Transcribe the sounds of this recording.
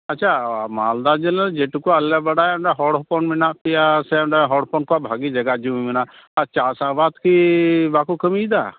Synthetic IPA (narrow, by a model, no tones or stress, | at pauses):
ɐt͡ʃʰamald̪ad͡ʒelɛd͡ʒeʈukuəlɛbəɽajɖaɦɔɽɦɔpɔnminaʔpijasɛamɖaɦɔɽpɔnkɔabʱaɡid͡ʒəɡad͡ʒumiminaʔ | aɾt͡ʃasabat̪kibakukəmid̪a